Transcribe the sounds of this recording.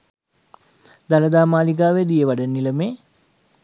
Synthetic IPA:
d̪aləd̪aːmaːliɡaːʋed̪ijəʋaɖənːiləmeː

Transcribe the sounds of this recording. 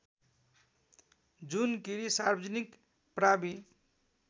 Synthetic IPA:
d͡zunkiɾisarbʌd͡zʌnik | prabi

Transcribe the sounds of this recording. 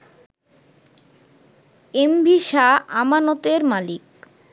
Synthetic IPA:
embʱiʃaʔamanot̪eɾmalik

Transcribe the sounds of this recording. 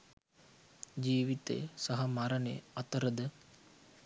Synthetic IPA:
d͡ʒiːʋit̪ḛsɐɦɐmaɾəneɐt̪əɾəd̪ə

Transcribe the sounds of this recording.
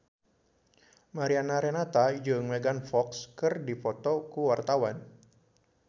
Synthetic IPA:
maɾianaɾɛnat̪ad͡ʒɨŋmeɡanfɔkskɨrdipɔt̪ɔkuwart̪awan

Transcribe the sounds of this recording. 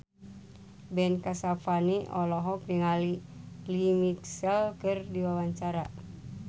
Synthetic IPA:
bɛnkasafaniʔɔlɔɦɔk̚niŋalilimiksɛlkɨrdiwawaɲt͡ʃaɾa

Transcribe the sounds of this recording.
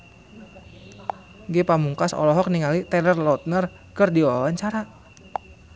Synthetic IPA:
ɡepamuŋkasɔ̰lɔɦɔk̚niŋalit̪ɛlərlɔt̪̚nər | kərdiɔlaɲt͡ʃaɾa

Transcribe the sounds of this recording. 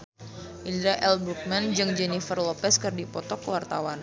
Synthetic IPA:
ʔindɾaʔɛlbɾuk̚mand͡ʒɨŋd͡ʒɛnifərlɔpɛskɨrdipɔt̪ɔkəwart̪a̰wan

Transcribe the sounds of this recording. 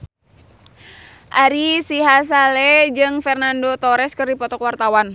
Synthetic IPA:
ʔaɾisiɦas̬alɛd͡ʒɨŋfɛrnandot̪ɔɾɛskɨrdipɔt̪ɔkwart̪awan

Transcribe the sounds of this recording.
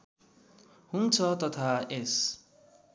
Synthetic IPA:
hunt͡sʰʌt̪ʌt̪ʰaes

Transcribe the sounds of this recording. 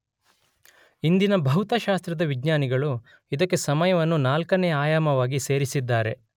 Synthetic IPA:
ind̪inɐbʱɐɦut̪ɐʃaːst̪ɾɐd̪ɐʋiɡɲaːniɡɐɭu | id̪ɐkːe̞sɐmɐjɐʋɐnːunaːlkɐnejɐaːjaːmɐʋaːɡise̞ːɾisid̪ːaːɾe̞̰

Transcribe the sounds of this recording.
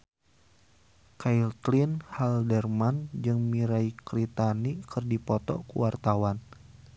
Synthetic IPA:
kajlt̪linhaldɛrmand͡ʒɨŋmiɾaikɾit̪anikɨrdipɔt̪ɔ̰kṵwart̪awan

